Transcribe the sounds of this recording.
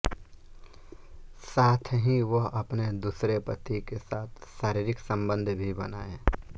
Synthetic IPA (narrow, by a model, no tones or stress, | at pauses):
saːt̪ʰɦĩʋoɦɐpned̪uːsɾepət̪ikesaːt̪ʰʃaːɾiɾɪksə̃mbə̃nd̪ʱbʱibɐna̰ːẽ